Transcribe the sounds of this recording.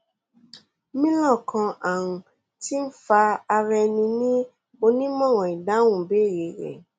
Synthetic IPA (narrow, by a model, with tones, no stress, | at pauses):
mĩ˦lɔ̃˦˨kʰã˧ʔa˨ũ˨˧ | ti˦n̩˦fa˧a˧ɾɛ˧nĩ˧nĩ˦ | o˧nĩ˦mɔ̃˦˨w̃ɔ̃˨i˨da˨˦w̃ũ˦˨be˨˦˨je˨ɾɛ̰˨